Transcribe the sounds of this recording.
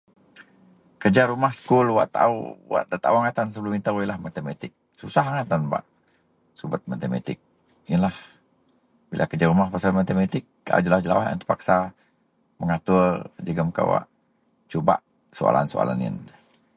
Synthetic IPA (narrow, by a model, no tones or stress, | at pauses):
kəd͡ʒaɾumahsə̥kulwa̰ʔt̪a̰uwa̰ʔdat̪auaŋat̪ansəbəlʊmint̪awilahmat̪emat̪ɪk̚ | susaɦaŋat̪anba̰ʔ | subət̪̚mat̪ema̰t̪ɪ̰k̚ | iənlah | bilʔakəd͡ʒaɾumahpasalmat̪emat̪ɪk̚ːaa̰d͡ʒəlad͡ʒəla̰waa̰nt̪ə̥paksa | məŋat̪ʊrd͡ʒəɡəmka̰wa̰ʔ | t͡ʃuba̰ʔ | soa̰la̰nsoa̰la̰nḭn